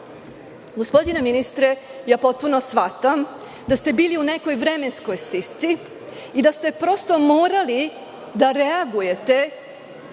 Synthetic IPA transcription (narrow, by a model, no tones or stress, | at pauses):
ɡo̞spo̞d̪ineminist̪ɾejaːpo̞t̪̚punosʋat̪am | d̪ast̪e̞biːliune̞ko̞jʋɾeme̞nsko̞jst̪ist̪si | id̪ast̪e̞pɾo̞st̪o̞moːɾali | d̪aɾeaɡuje̞t̪e̞